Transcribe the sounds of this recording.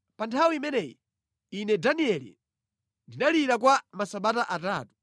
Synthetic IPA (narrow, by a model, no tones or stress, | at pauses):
pantʰawiimɛnɛji | inɛdaniɛlḭ | ndinaliɾak̬wamasaɓataʔataːtu̥